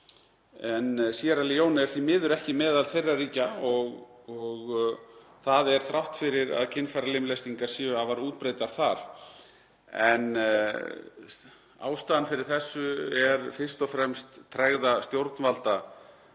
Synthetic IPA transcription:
ɛnsiaɾalijownɛɾ̥θimɪːðʏɾɛhcɪmɛːðalθejrːariːcaɔɣɔɣ | θaðɛɾ̥θɾawht̪fɪɾɪɾa̰ðcʰɪnːfajɾalejmlɛst̪iŋkaɾ̥siːʏavaɾuːt̪̚pɾejt̪aɾ̥θaɾ̥ | ɛn | a̰ːwst̪aðanfɪɾɪɾ̥θɛsːʏɛɾfɪr̥st̪ɔfɾɛmst̪ʰːɾɛɣðast̪jowɾt̪nvalt̪a

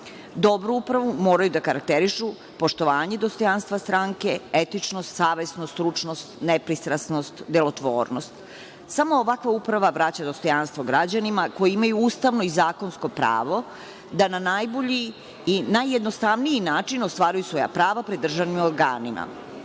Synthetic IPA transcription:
d̪o̞bɾuupɾaʋumo̞ːɾajud̪akaɾak̚t̪eɾiʃu | po̞ʃt̪oʋaːɲe̞d̪ost̪o̞janst̪ʋast̪ɾaŋke̞et̪it͡ʃnost̪saːʋe̞snost̪ɾut͡ʂnost̪nepɾist̪ɾasnost̪d̪elˠo̞t̪ʋo̰ːɾno̞st̪ | samo̞ːʋakʋaupɾaʋaʋɾat͡ɕad̪ost̪o̞janst̪vo̞ɡɾad͡ʑanimako̞jiimajuuːst̪aʋno̞izaːko̞nsko̞pɾa̰ːʋo̞ | d̪ananajboʎiː | najːed̪nost̪aʋnijinaːt͡ʂino̞st̪ʋaːɾajusʋo̞ja̰pɾaːʋapɾed̪ːr̩ʒaʋnimoɾɡa̰ːnima̰

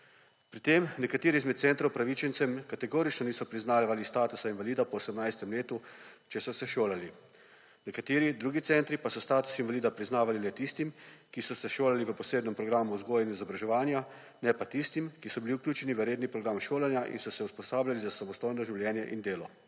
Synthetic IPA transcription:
pɾit̪emnɛkat̪eːɾizmɛt̪t̪sɛnt̪ɾɐwpɾaʋit͡ʃɛnt̪sɛmkat̪ɛɡoːɾit͡ʃnɔniːsɔpɾiznaːʋalist̪aːt̪usainʋaliːd̪apɔːsɛmnajst̪ɛmleːt̪ut͡ʃɛsɔsɛʃoːlali | nɛkat̪eːɾid̪ɾuːɡit̪sɛnt̪ɾipasɔst̪aːt̪u̥sinʋaliːd̪apɾiznaːʋalinɛt̪ist̪imkisɔsɛʃoːlaliʋəpɔseːd̪nɛmpɾɔɡɾaːmuzɡoːjɛnizɔbɾaʒɛʋaːnja | nɛpat̪ist̪imkisɔbiliwkljuːt͡ʃɛniʋəɾjeːd̪nipɾɔɡɾamʃoːlɛnjaʔḭnsɔsɛuspɔsaːbljalizasamɔst̪oːjnɔʒiwljɛːnjɛ̰ʔind̪eːlɔ

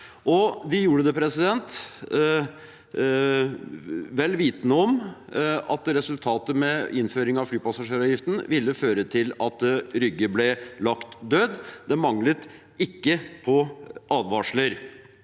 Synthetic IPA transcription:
ʔɔd̪ɪjuːɾəd̪ɛpʰɾɛsɪd̪ɛnt̪ | ʋɛlːʋiːt̪nəɔm | ɑt̪ɾɛsʉlt̪ʰɑːt̪əmɛɪnføːɾɪŋɑʋflyːpɑsɑʂeːɾɑːjɪft̪n̩ʋɪlːəføːɾət̪ʰɪlɑt̪ɾʏɡːəblɛlɑkt̪d̪øːd̪d̪ɛmɑŋlət̪ | ɪkːəpʰɔʔɑːd̪ʋɑːʂləɾ

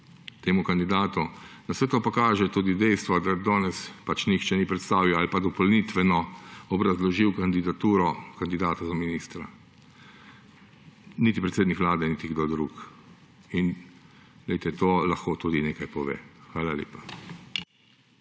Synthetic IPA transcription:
t̪eːmukand̪id̪aːt̪unasɛt̪oːpakaːʒɛt̪uːd̪id̪ɛjst̪ʋɔd̪ad̪ɔːnɛspat͡ʃnixt͡ʃɛnipɾɛt̪st̪aːʋiwalipad̪ɔpɔlnit̪ʋɛnɔɔbɾazlɔʒiwkand̪id̪at̪uːɾɔkand̪id̪aːt̪azaminiːst̪ɾa | nit̪ipɾɛt̪seːd̪nikʋlaːd̪ɛnit̪iɡd̪oːd̪ɾuːk | in | ɡlɛjt̪ɛt̪oːlaxkoːt̪uːd̪ineːkajpɔʋḛːxʋaːlalḛːpḁ

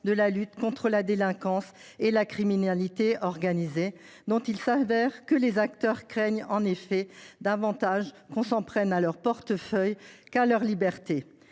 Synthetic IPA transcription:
d̪əlalyt̪kɔ̃t̪χəlad̪elɛ̃kɑ̃s | elakχiminalit̪eɔʁɡanize | d̪ɔ̃t̪ilsavɛʁkəlezak̚t̪œʁkχɛɲɑ̃nefɛd̪avɑ̃t̪aʒ | kɔ̃sɑ̃pχɛnalœʁpɔʁt̪əfœjkalœʁlibɛʁt̪e

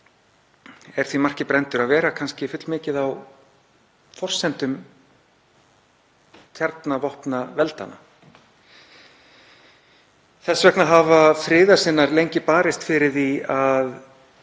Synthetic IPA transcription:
ɛɾ̥θvimar̥cɪpɾɛnt̪ʏɾaðvɛːɾakʰanscɪfʏt̪lmɪːcɪðaw | fɔr̥sɛnt̪ʏm | t̪ʰjaɾt̪navɔhpnavɛlt̪a̰na̰ | θɛsvɛknaɦavafɾɪːðasɪnːaɾlejɲcɪpaːɾɪst̪fɪɾɪɾ̥θiað

